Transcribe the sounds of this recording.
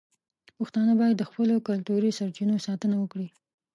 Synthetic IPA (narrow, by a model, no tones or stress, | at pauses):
puxt̪ɑnabɑjad̪ːəxpəlokalt̪uɾisaɾt͡ʃinosɑt̪ənawəkɽi